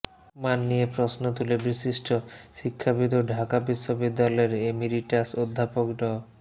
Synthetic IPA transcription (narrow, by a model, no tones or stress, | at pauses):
manːijepɾosnot̪̬ulebɾiʃiʃʈʰoʃikʰːabit̪oɖʱakabiʃːobid̪ːalɔeɾemiliʈasod̪ʱːapokɖɔ